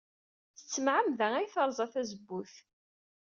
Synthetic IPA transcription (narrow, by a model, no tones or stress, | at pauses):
θət͡sːəmʕəmðææjθəɾˤzˤɑθæzəbːʊθ